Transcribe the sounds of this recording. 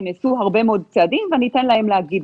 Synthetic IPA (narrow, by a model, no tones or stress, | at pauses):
nesuɦaʁbe̞meo̞d̪̚t͡seadimvenit̪enlahe̞mleaɡid